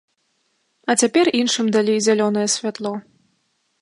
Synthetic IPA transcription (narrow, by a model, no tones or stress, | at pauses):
ɐt͡sʲapʲɛrinʂɨmd̪alʲejzʲalʲɔnɐjɛsʲvʲat̪lˠɔ